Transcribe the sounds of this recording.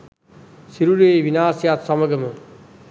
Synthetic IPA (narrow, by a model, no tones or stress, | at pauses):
siɾuɾeʋinaːsjaːt̪sɐməɡəmu